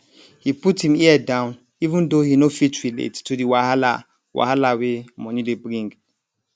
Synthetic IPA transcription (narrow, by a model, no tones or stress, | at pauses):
hiputhĩmiɛdãʊ̃n | ivɨ̃ndohinofitɹilḛttʰːudiwahala̰ | wʔa̰halawemɔ̃nĩdebɾĩŋɡ